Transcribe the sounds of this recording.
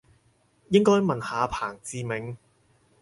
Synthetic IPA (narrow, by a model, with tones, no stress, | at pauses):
jɪ˥ŋkɔː˥jmɐ˨nhaː˨˧pʰaː˨˩ŋt͡siː˧mɪ˨˥ŋ